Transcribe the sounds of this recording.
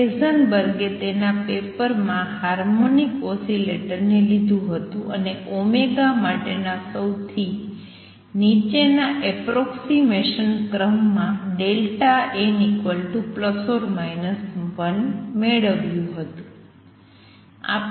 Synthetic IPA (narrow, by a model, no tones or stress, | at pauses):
ezənbəɾɡet̪enapepəɾmãhaɾmonikosileʈəɾnelid̪ʱũɦət̪ũəneʔomeɡamaʈenasəwt̪ʰi | nit͡ʃenaʔɛpɾɔksimeʃənkɾəmːãɖelʈaenikʋəlʈupləsoɾmajnəsʋənmeɭəʋjũɦət̪ũ | a̰